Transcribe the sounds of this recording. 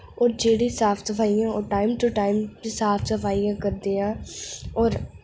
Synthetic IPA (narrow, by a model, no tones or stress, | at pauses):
ɔːɾd͡ʒeːɽiːsaːpʰsəpʰaːijãːoːʈaːɪmʈuʈaːɪmt͡ʃsaːpʰsəpʰaːijãːkəɾd̪eːãːɔːɾ